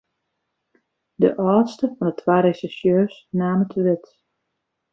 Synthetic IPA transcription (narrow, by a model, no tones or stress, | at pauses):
də̰ʔɔːtstəfɔndətʰwaːɾesisjøːsnaːmətʰəʋɪt